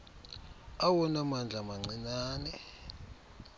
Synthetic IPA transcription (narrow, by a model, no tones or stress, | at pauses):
awɔnamand͡ɮʱamaŋ͡ǀinaːnɛ